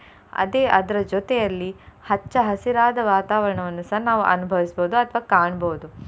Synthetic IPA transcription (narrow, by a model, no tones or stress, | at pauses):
ɐ̰d̪eːʔɐd̪ɐɾɐd͡ʒɔt̪ɛjɐlːihɐt͡ʃːɐɦɐsiɾaːd̪ɐʋaːt̪aːʋɐɾɐɳɐʋɐnːusɐːnaːʋuʔɐnubʱɐʋisboːd̪uɐt̪ʰɐʋaːkaːɳboːud̪u